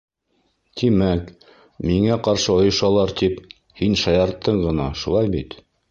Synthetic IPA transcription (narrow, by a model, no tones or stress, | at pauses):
t̪imæk | miŋæqɑɾʃɤŏjɤ̆ʃɑlˠɑɾt̪ip | hinʃɑjɑɾt̪ːɤɴɢɤ̆nɑʃulˠɑjbit̪